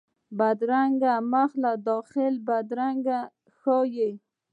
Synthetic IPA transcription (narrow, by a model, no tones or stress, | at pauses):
bad̪ɾaŋɡamaxlad̪ɔxɪlbad̪ɾaŋɡa | xɔjej